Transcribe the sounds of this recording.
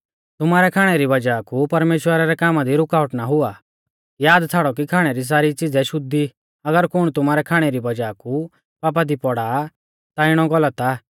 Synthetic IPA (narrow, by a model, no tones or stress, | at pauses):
t̪ʊmaːɾɛkʰaːɽ̃ɛɾibɐd͡ʒaːkupɐɾmeːʃwəɾaɾɛkaːmad̪iɾʊkaːʊʈnaɦʊa | jaːd̪t͡sʰaːɽɔk̬ikʰaːɽ̃ɛɾis̬aːɾit͡sɪd͡zɛʃʊd̪i | ɐɡəɾkʊɽ̃t̪ʊmaːɾɛkʰaːɽ̃ɛɾibɐd͡ʒaːku | paːp̬ad̪ipɔɽaː | t̪aɪɽ̃ɔɡɔlət̪a